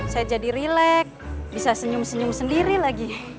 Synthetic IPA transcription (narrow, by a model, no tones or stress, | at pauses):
sajad͡ʒadiɾilɛk̚bisasəɲʊmsəɲʊŋsəndiɾilaɡi